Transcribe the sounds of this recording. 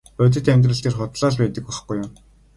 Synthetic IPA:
œt̪̬ɘ̆t̪æmʲt̪̬rɘ̆ɬt̪eːrχʊt̪ɮaːɮpæːt̪ə̆k̚ɔχ̆χɡujʊ̆m

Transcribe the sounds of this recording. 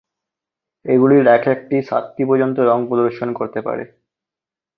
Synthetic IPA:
eɡuliɾɛkʰek̚ʈiʃa̰t̪ːipod͡ʑont̪̬oɾɔŋpɾod̪oɾʃonkoɾt̪epa̰ɾḛ

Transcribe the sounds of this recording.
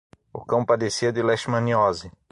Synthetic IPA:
ʊkɐ̃w̃pad̪esiɐd̪ɪlɛʃmɐ̃niɔzɪ

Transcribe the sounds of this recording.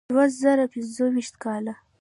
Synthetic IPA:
wazaɾapɪnzowiʃt̪kɑla

